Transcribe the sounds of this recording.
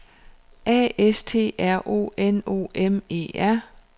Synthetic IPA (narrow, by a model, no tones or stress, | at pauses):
ʔɛ̰ːest͡sʰe̝̰ːæɐ̰ʔo̝̰ːeno̝̰ːʔeme̝̰ːæɐ̰